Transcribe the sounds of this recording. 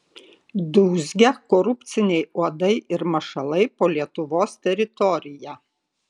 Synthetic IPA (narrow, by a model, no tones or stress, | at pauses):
d̪uːzʲɡʲɛkɔɾʊpʲt̪sʲɪnʲɛɪuɔd̪ɐɪʔɪɾmɐʃɐlˠɐɪpoːlʲiɛt̪ʊʋoːst̪ʲɛɾʲɪt̪ɔɾʲɪjæ